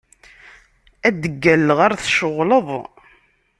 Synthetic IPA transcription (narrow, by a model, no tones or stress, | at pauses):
æd̪əɡːælːʁaɾθʃəʁləðˤ